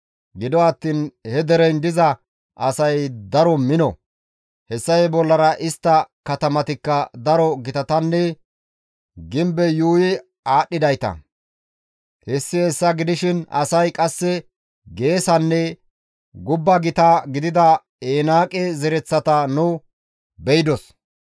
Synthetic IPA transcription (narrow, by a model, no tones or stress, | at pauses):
ɡɪd̪ɔɐt̪ːiːnhɛd̪ɛɾɛjnd̪ɪzɐ | ʔɐsɐjd̪ɐɾɔmɪnɔ | hɛsːɐjbɔlːɐɾɐʔɪst̪ːɐkɐt̪ɐmɐt̪ɪkːɐd̪ɐɾɔɡɪt̪ɐt̪ɐnːɛ | ɡɪmbɛjuːjɪ | aːɗːɪd̪ɐjt̪ɐ̰ | hɛsːɪhɛsːɐɡɪd̪ɪʃɪnɐ̰sɐjkʼɐsːɛ | ɡe̞ːsɐnːɛ | ɡʊbːɐɡɪt̪ɐɡɪd̪ɪd̪ɐ | eːnaːkʼɛzɛɾɛt͡sːɐt̪ɐnʊ | bɛjɪd̪ɔs